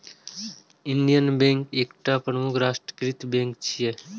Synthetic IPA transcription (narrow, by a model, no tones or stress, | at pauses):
ɪnd̪ijənbẽːŋkeːkʈapɾəmukʰɾaːʃʈɾə̥kɾit̪bẽːŋkt͡ʃʰije